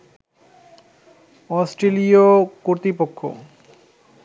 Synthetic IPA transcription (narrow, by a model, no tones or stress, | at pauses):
ɔsʈɾeliokoɾt̪ɾipokʰːo̰